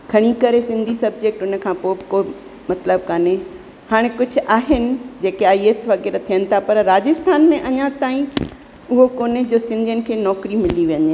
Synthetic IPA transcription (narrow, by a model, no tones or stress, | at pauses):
kʰɐɽ̃ikɐɾesɪ̃nd̪ʱisɐb̚d͡ʑek̚ʈʊnə̆kʰãːpoːkoː | mɐt̪ləb̚kaːne | haːɽ̃ekʊd͡ʑʱʊʔaːɦɪnɪ̆d͡ʑeːkeaːieːsʋɐɣɛːɾt̪ʰijənɪ̆t̪ʰapɐɾɾaːd͡ʑɪst̪ʰaːnmẽʔɐɲãt̪aːĩ | ʊɦokoːned͡ʑoːsɪ̃nd̪ʱijənɪ̆kʰeːnɔːkɾimɪliʋiəɲe